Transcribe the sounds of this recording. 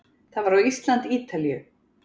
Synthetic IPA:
θavaɾawist̪lant̪iːt̪alijʏ

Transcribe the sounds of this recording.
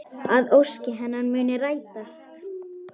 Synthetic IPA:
aðowscɪɦɛnːanmʏːnɪraːjt̪ast̪

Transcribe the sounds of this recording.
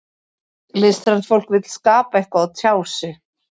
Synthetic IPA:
lɪst̪ɾansfowl̥kvɪt̪l̥skaːpaɛhkvaat̪ʰjaːwsɪ

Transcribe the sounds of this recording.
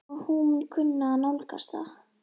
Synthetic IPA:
hunkʰʏnːanawlka̰st̪a̰

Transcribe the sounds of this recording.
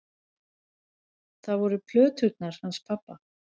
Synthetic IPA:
θaðvɔɾʏpʰlœːt̪hʏt̪naɾ̥hanspʰapːa

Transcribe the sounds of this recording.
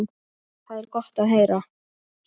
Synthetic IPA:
n | θaðɛɾkɔht̪aðɦejɾa

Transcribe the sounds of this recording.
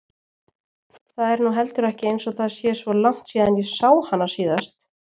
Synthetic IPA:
θaðɛɾnuɦɛl̪t̪ʏɾɛhcɪejnsɔɣθaðsjɛsvɔlaŋ̥t̪siːðanjɛsaːwhanːḁsiːðast̪

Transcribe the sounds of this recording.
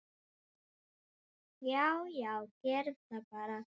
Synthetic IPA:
jawjawcɛɾt̪apaɾa

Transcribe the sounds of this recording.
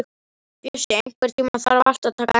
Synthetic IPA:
t̪jɛsɪejŋ̥kvɛɾ̥t̪ʰiːmaθa̰ɾaval̥t̪aðt̪ʰaːka

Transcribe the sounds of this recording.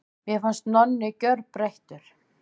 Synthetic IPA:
mjɛfanst̪nɔnːɪcœɾpɾejht̪ʏɾ̥

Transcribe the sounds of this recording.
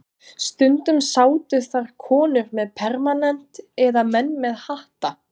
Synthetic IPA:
st̪ʏnt̪ʏmsaːwt̪ʏθaɾ̥kʰɔːnʏɾmɛðpʰɛɾmanɛn̥t̪ɛðamɛnːmɛðhaht̪a

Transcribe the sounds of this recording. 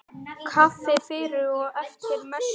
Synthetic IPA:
kʰaθɪfɪɾɪɔɣɛft̪ɪɾmɛ

